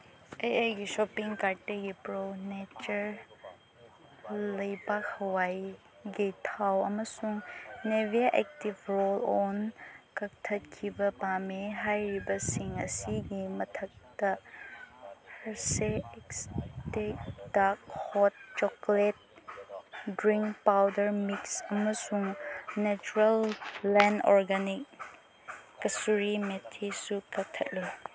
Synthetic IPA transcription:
ejajɡiʃɔpiŋkaɾteɡipɾownet͡ʃɐɾ | lɐjbakhɐwaj | ɡitʰawɐmɐsuŋnebiaʔɛk̚tibɾolɔnkɐk̚tʰɐt̚kʰibɐpameɦajɾibɐsiŋɐsiɡimɐtʰɐk̚tɐ | hɐɾseeksted̥ak̚hɔt̚t͡ʃɔklet̚ | dɾiŋkpawdɐɾmiksɐmɐsuŋnet͡ʃuɾelːɛnɔ̰ɾɡanikː | ɐsuɾimetʰːesukɐk̚tʰɐt̚le

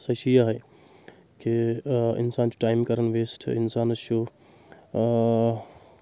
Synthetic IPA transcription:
sɐʃijaɦɐ | kʰiɪ̰nsaːnt͡ʃu̥ʈaːɪmkɐɾənʋeːsʈʰɪnsaːnt͡ʃʰo

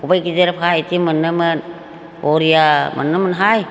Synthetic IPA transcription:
ubajɡizeɾpʰajtimɯnːɯmɯn | oɾijamə̰nːɯmɯnɦaj

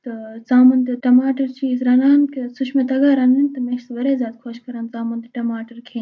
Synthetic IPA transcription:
t̪ɐt͡saːmɐnd̪ʈɐmaːʈɐɾt͡ʃiːzɾɐnaːnkesut͡ʃʰmẽt̪ɐɡaːɾɐnd̪int̪ɐmẽːʃsʋɐɾeːzjaːd̪kʰoːʃkɐɾaːnzaːmɐnd̪ʈɐmaːʈɐɾkʰeː

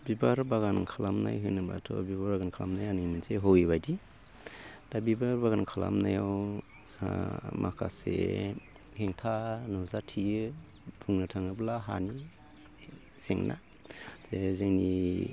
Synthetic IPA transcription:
bibaɾbaɡankʰalamna̰jɦɯnɯba̰tʰɔ̰bibaɾbaɡankʰalamnajanɯminseɦowiβajdi | d̥abibaɾbaɡankʰala̰mnajaw | a̰mʔakʰa̰sḛ | heŋtʰanuzatʰijɯ | pʰuŋnɯtʰaŋnɯblaɦa̰ni | seŋna̰ | z̥ezeŋni

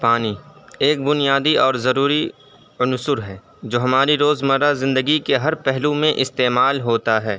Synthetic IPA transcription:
paːnieːk̚bʊnijaːd̪iʔɔːɾzɐɾuːɾi | ʊnsʊɾɦɛː | d͡ʒoːɦɐmaːɾiɾoːzmɐɾazɪ̃nd̪əɡikeɦɐɾpɛɦlumẽʔɪst̪eːmaːlɦoːt̪aɦɛː

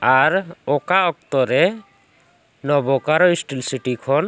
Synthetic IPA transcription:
aɾokaɔk̚t̪ɔɾɛ | nɔbɔkaɾɔisʈilsiʈikʰɔn

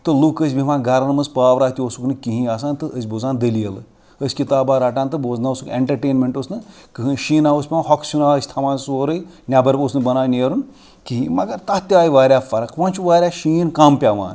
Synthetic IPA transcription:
t̪ɨlukəs̬ʲbʱiʋãːɡɐɾɐnmɐzpaːʋɾaːt̪ʲiosuknɨkiɦĩaːsaːnt̪ɨəsʲbozaːnd̪ɐlijɐlɨ | əsʲkit̪aːbaːɾaːʈ̬ãːnt̪ɨboːznaɐsukeɳʈɐɾʈeːnmʲeɳʈosnɨkɨɦɨnʃiːnaːosʲpʲamãɦɔksunaːsʲt̪ʰɐmãːnsoɾɐj | nʲabɐɾposnɨbɐnaːnʲeːɾun | kĩɦĩmɐɡɐɾt̪ɐt̪ʲaːjʋaːɾʲaːfɐɾɐkʋɐ̃ːnt͡ʃʰuʋaːɾʲjaːʃiːnkɐmpʲaːʋa̰ːn

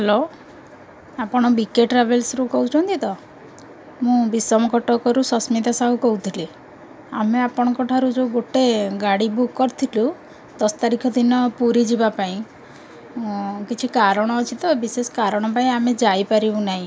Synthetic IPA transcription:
ɦɛlo | apɔɽ̃ɔbikeʈɾabelsɾukɔɦut͡ʃʰɔ̃nt̪it̪ɔ | mũbisɾɔmɔkɔʈɔkɔɾusɔsmid̪asaɦukɔɦut̪ʰile | ameapɔɽ̃ɔkɔʈʰaɾud͡ʒeɡoʈeɡaɽibukːɔɾt̪ʰilu | d̪ɔsɔ̥t̪aɾikʰɔd̪inɔpuɾid͡ʒibapaĩ | kit͡ʃʰikaɾɔɽ̃ɔːt͡ʃʰit̪ɔbisesɔ̥kaɾɔɽ̃ɔpaĩamed͡ʒajpaɾibũnaɦĩ

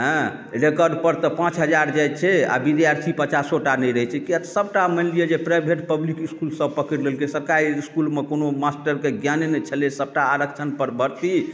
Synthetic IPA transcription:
ɦə̃ | ɾekəɖpəɾt̪əpãt͡ʃɦəd͡ʒaɾd͡ʒajt͡ʃʰɛa̰bid̪jaɾt̪ʰipət͡ʃasoʈanəjɾəɦɛt͡ʃʰɛkiat̪səbʈamənlijed͡ʒepɾajbʱeʈpəblikiskulsəb̚pəkəɾlelkesəɾkaɾiiskulmekonomasʈəɾkeɡjanenɛt͡ʃʰəlesəb̚ʈaːɾəkt͡ʃʰənpəɾbəɾt̪i

